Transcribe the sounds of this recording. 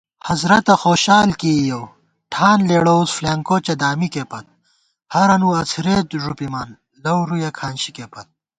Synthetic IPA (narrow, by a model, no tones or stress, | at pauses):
hɐzɾɐt̪ɐxoːɕaːlkijow | ʈʰaːnleːɽoːzflaːŋkoːt͡ɕɐd̪aːmikepɐt̪̚ | hɐɾɐnuɐt͡sʰiɾeːt̪ʐupimaːn | lɐwɾujɐkʰaːnɕi̥kepɐt̪̚